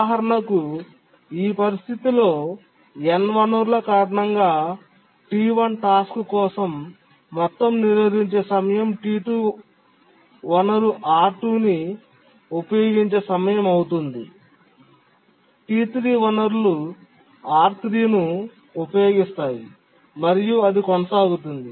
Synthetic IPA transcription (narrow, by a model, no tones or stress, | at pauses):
ɦɐɾɐɳɐku | iːpɐɾist̪ʰit̪ilo̞ː | ɛnʋɐnɐɾulɐkaːɾɐɳɐŋɡaː | ʈiːʋɐnʈaːskkɔːsɐmː | ɔt̪ːɐmniɾʋɐd̪iɲt͡ʃe̞ːsɐmɐjɐmʈiːʈu | ʋɐnɐɾuʔaːɾʈuːni | upɐjo̞ːɡiɲt͡ʃe̞ːsɐmɐjɐmɐwut̪und̪i | ʈiːt̪ɾiːʋɐnɐɾlu | aːɾt̪ɾiːnu | upɐjo̞ːɡist̪aːji | mɐɾijuɐd̪ikɔnɐsaːɡut̪und̪i